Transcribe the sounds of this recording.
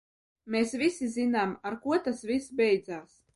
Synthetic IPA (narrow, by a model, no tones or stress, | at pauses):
meːsvʲisizinaːmaɾkuɔt̪asvʲisbʲɛjd̪zaːs